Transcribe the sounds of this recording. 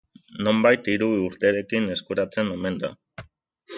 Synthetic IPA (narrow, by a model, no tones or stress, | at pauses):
no̞mbajt̪iɾuuɾt̪eɾe̞kine̞skuɾat͡se̞no̞me̞nd̪a̰